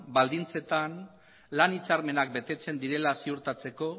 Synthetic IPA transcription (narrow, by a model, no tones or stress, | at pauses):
bald̪int͡se̞t̪an | lanit͡saɾme̞nak̚be̞t̪e̞t͡se̞nd̪iɾe̞lasiuɾt̪at͡se̞ko̞